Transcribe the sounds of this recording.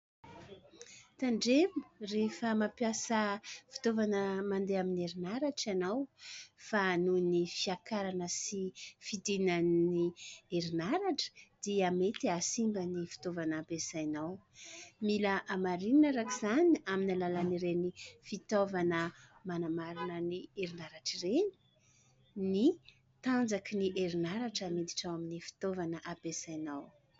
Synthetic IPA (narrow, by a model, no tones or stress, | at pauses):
t̪aɳɖ͡ʐebrefəmapjasəfi̥t̪ovanəmand̪eamineɾinaɾaʈ͡ʂanawfanunifiakaɾanəsifid̪inanieɾinaɾaʈ͡ʂə̥d̪̥iəmet̪iasimbənifi̥t̪ovanapesajnawmiləʔamaɾinnaɾakizaniaminalalaniɾenifit̪ovanəmanamaɾinənieɾinaɾaʈ͡ʂireni̥ | ni | t̪and͡zakiniʔeɾinaɾaʈ͡ʂamid̪iʈ͡ʂaaminifi̥t̪ovanəʔabesajnaw